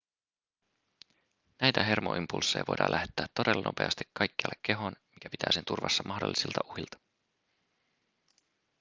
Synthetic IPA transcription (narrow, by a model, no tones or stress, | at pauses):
næjt̪æɦe̞rmo̰ʔimpulsːe̞jʋo̞̰jdɑ̰lʔæht̪ˑːeːt̪ːo̞delːɑno̞̰pe̞̰ɑst̪i̥kʰːɑjkːeɑ̰lekːe̞ɦo̞nmik̟æpit̪ʰæ̰ːse̞nt̪urʋɑ̰sːɑmɑhdolːisilt̪ɑʔuhilt̪ɑ̥